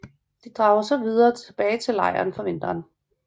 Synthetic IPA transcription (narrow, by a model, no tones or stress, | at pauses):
d̥id̥ʁɑ̈ːʊɐsɒ̽ʋið̞ˠɐːt͡sʰe̝b̥ɛːɪt͡sʰe̝lɑ̈ɪɐ̰ːnfɒ̽ʋe̝n̰d̥ɐːn